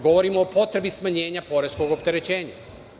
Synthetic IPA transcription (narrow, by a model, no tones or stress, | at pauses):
ɡo̞ʋo̞ɾimo̞ːpo̞t̪ɾe̞bismaɲe̞ːɲapo̞ɾe̞sko̞ɡopt̪e̞ɾe̞t͡ɕe̞ːɲa